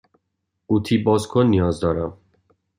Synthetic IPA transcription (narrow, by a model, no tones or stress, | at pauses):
uːt̪ʰibɒːzkʰonːijɒːzd̪ɒːɾæm